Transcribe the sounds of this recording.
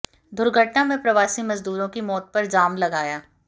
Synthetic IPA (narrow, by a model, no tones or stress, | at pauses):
d̪ʊɾɡʱəʈnamẽpɾɐʋaːsimɐzd̪uːɾõkimɔːt̪̚pɐɾd͡ʒaːmlɐɡaːjaː